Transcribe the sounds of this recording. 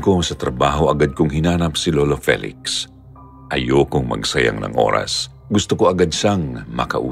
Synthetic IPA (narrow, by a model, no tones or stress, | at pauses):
kosɐt̪ɾɐbaːɦo̞ʔɐɡad̪̚kʊŋɦɪnaːnɐpsɪloːlofɛ̰lɪ̰ks | ʔɐjokʊŋmɐ̰ɡsɐja̰ŋnɐ̰ŋʔo̞̰ːɾɐ̰s | ɡʊst̪oko̞ʔɐɡad̪saŋmɐ̰kɐʔṵ